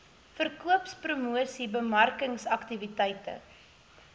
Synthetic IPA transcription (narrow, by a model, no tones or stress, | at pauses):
fərkuəpsprumuəsibəmɐrkəŋsɐktivitɛjtə̰